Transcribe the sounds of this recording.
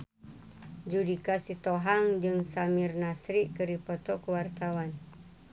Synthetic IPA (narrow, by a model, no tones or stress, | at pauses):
d͡ʒudikasit̪oɦaŋd͡ʒɨŋsamirnasɾiʔkɨripɔt̪ɔkuwart̪awan